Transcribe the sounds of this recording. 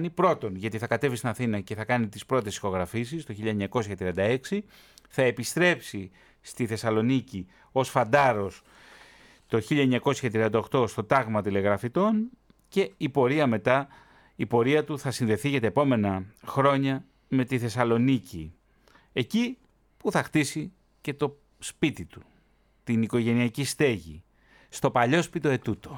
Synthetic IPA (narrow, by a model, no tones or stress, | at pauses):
nipɾo̞t̪o̞nʝɐt̪iθɐkɐt̪e̞vist̪inɐθinɐceθɐkɐnit̪ispɾo̞t̪e̞si̥xo̞ɣɾɐfisist̪o̞çiʎːɐeɲɐko̞sçɐt̪ɾiɐnd̪ɐe̞ksi | θɐe̞pist̪ɾe̞psi | st̪iθe̞sɐlo̞nici | osfɐnd̪ɐɾo̞s | t̪o̞çiʎɐeɲɐko̞sçɐt̪ɾiɐnd̪ɐo̞xt̪o̞st̪o̞t̪ɐɣmɐt̪ile̞ɣɾɐfit̪o̞n | ce̞ipo̞ɾiɐme̞t̪ɐ | ipo̞ɾiɐt̪uθɐsinðe̞θiʝɐt̪ɐepo̞me̞nɐxɾo̞ɲɐ | me̞t̪iθe̞sɐlo̞nici | e̞ci | puθɐxt̪isi | ce̞t̪o̞ | spit̪it̪u̥ | t̪iniko̞ʝe̞niɐcist̪e̞ʝḭ | st̪o̞pɐʎo̞spit̪oe̞t̪ut̪o̞